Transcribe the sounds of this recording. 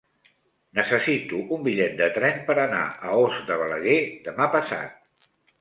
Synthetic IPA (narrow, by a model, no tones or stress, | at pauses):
nəsəsit̪uʔumbiʎɛt̪̚d̪ət̪ɾɛnpəɾəna̰ʔəozd̪əβələɣed̪əmapəsa̰t̪̚